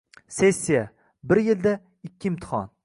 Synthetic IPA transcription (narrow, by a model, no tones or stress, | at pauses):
se̞sʲːija | bɪɾjɪld̪a | ɪkʲːɪɪmt̪ʰɪ̥χɒ̰n